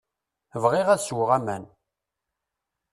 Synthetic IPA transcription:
vʁiʁæðswəʁæmæn

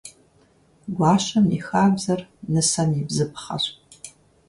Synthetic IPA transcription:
ɡʷaːʃɐmḭxaːbzɐrnɨsɐnibzɨpχɐ̰ɕʷʼ

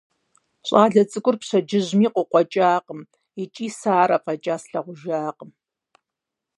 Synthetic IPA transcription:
ɕʼaːɮɐt͡sʼɨkʷʼʊrpɕɐd͡ʒɪʑmiːqʷʊqʷɔt͡ʃʼaːqəm | it͡ʃʼiːsaːɾɐpʰɐt͡ʃʼaːsɬɐʁʷʊʒaːqəm

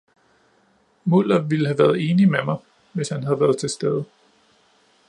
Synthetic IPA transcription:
mul̰ɐʋiləɦæʋæɐð̞ˠe̝ːnimemɑ̈ɪ | ʋe̝shænɦæðˠʋæːɐð̞ˠt͡sʰe̝sd̥eð̞ˠə

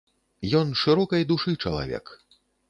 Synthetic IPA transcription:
jɔnʂɨɾɔkɐjd̪uʂɨt͡ʂɐlˠa̰vʲɛ̰k

